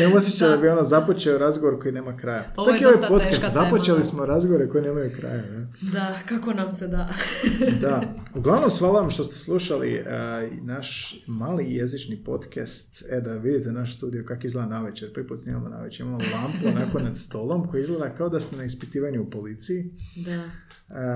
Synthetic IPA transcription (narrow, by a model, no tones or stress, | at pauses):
nemosjet͡ʃad̪abionazapo̞t͡ʃeoɾazɡoʋo̞ɾko̞jine̞ːmakɾajat͡ʃakioʋajpo̞t̪kast̪zapot͡ʃelismoɾazɡoʋoɾekojineːmajukɾa̰jajad̪akakonamsed̪a | d̪auɡlˠaʋno̞msʋaːluʋamʃt̪o̞st̪eslˠuʃalḭnaʃmaːlijezit͡ʃnipo̞t̪kast̪ed̪aʋid̪it̪enaʃ̬st̪uːd̪ijokakoizlˠed̪anaʋet͡ʃeɾpɾiput̪snimamona̰ʋet͡ʃeɾimamolampuonakonad̪st̪o̞lˠo̞mkojiizɡled̪akaod̪ast̪enaispit̪iːʋaɲuupo̞lit̪sijid̪a